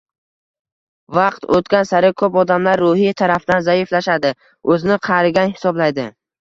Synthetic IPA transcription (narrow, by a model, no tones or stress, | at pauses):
vɑqt̪ʰo̰t̪kʲansaɾɪkʰɵpɒd̪amlaɾːʊhit̪ʰaɾafd̪anzaɪflaʃad̪ɪ | ɵzɪnɪqʰɑɾɪɡʲanhɪ̥sɒblajd̪ɪ